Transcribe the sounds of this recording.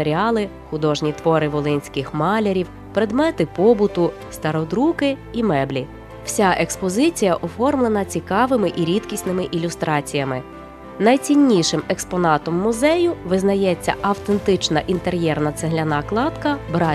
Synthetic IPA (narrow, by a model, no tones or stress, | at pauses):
eɾʲiɑlˠɪ | xʊd̪ɔʒnʲit̪ʋɔɾɪʋɔlˠɪnʲsʲkɪxmɑlʲeɾʲiw | pɾed̪mɛt̪ɪpɔbʊt̪ʊ | st̪ɐɾɔd̪ɾukɪimɛblʲi | w̥sʲaʔekspɔzɪt͡sʲijɐʔɔfɔrmlˠenɐt͡sʲikɑʋɪmɪʔiɾʲit̪kʲisʲnɪmɪʔilʲʊst̪ɾɑt͡sʲijɐmɪ | nɐjt͡sʲinʲːiʃɪmɛkspɔnɑt̪ɔmːʊzɛjʊʋɪznɐjɛt͡sʲːɐ̰ʔɐwt̪ent̪ɪt͡ʃnɐʔint̪eɾʲjɛrnɐt̪seɦlʲɐnɑklˠɑd̪kɐbɾɑ